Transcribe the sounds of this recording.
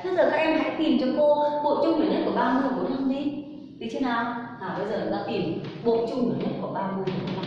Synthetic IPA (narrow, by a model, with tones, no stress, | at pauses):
t̪ʰɨ˧zəː˨˩kaː˦˧˥k̚ʔɛ˧mha̰ː˧˥jt̪i˨˩əmt͡ɕɔ˧ko˧ɓo̰˧˨t͡ɕʊ˧ŋ͡mi˨˦ɲə˦˥t̚ku˧˩ɓaː˧mɨ˧əjku˨˦na˧mɗi˧˦ | t̪ʰi˨˩t͡ɕʰi˧˦naː˨˩wʔaː˨˩ɓə˧jzəː˨˩˨a̰˧˥t̪i˨˩m | ɓo̰˧˨t͡ɕʊ˧ŋ͡mni˨˩˦ɲə˧˥t̚kɔ˧˩˦ɓaː˧mɨ˧əjkːa˧˦